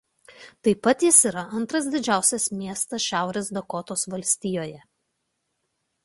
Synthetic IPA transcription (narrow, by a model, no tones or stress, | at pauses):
t̪ɐɪpɐt̪jɪsiːˑɾɐʔɐnt̪ɾɐs̬d̪ʲɪd͡ʒʲæˑʊsʲɛsmʲiɛst̪ɐsʃʲæˑʊɾʲeːsd̪ɐkɔt̪oːsʋɐlʲsʲt̪ʲiːjoːjɛ